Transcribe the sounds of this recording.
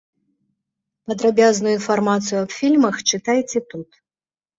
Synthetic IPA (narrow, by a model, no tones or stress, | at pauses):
pɐd̪ɾabʲaznujuinfarmat̪sɨjuɐpfʲilʲmɐxt͡ʂɨt̪ajt͡sʲɛt̪ut̪